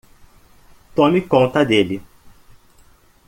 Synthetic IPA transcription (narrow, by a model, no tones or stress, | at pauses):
t̪õmikõnt̪ɐd̪elɪ